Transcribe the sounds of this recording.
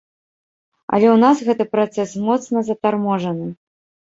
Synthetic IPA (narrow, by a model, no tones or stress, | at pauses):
ɐ̰lʲɛwnasɣɛt̪ɨpɾat̪sɛsmɔt̪snɐzɐt̪armɔʐɐnɨ